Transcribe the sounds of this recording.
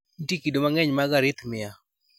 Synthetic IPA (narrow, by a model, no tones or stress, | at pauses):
nitikidomaŋɛɲmaɡaɾɪt̪mɪa